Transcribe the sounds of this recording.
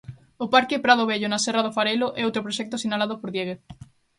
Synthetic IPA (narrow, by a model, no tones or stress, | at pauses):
opaɾkepɾað̞oβeʎonasɛrað̞ofaɾeloʔɛ̰owt̪ɾopɾoʃɛk̚t̪osinalaðopoɾðjeɣeθ